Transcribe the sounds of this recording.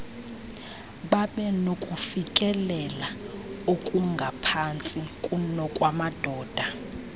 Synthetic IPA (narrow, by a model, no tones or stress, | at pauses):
ɓaɓɛnokʼufikʼɛlɛlaokʼuŋɡʱapʰant͡sʼikʼunɔkʼwamad̥ʱɔːd̥ʱa